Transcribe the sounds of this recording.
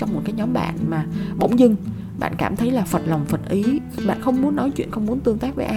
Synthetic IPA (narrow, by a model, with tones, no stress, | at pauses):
t͡ɕɔ˧wŋ͡mmo˨˩t̚kaː˨˦jɲɔ˨˦mɓa̰ː˧˨nmaː˨˩ɓo̰˧˥wŋ͡mzɨ˧ŋ | ɓa̰ː˧˨nkaː˧˩mt̪ʰə˨˦jlaː˨˩fə˨˩t̚la˨˩wŋ͡mfə˨˩t̚ʔi˨˦ | ɓa̰ː˧˨nxə˧wŋ͡mmu˨˦ənːɔ˨˦jt͡ɕwḭ˧˨ənxə˧wŋ͡mmu˨˦ənt̪ɨ˧əŋt̪aː˦˥k̚vəː˨˦ʔː